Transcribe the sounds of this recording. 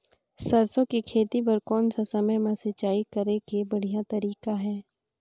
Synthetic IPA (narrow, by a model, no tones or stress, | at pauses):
sɐɾsõkikʰeːt̪ibɐɾkɔːnsasɐməjmãsɐt͡ʃaːikɐɾekebɐɽ̤ijat̪ɐɾiːkaɦɛː